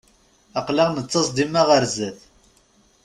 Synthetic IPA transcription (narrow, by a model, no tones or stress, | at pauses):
ɑqlaʁnət͡sːɑsˤd̪imːæʁəɾzæθ